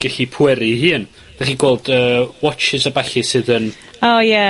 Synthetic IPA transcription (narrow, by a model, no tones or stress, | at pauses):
ɡ̥aɬipʰwɛɾihɨːn | dð̥aχiːɡweːlˠdəːwɔt͡ʃɪsabaɬɨsɨðən | oːjɛ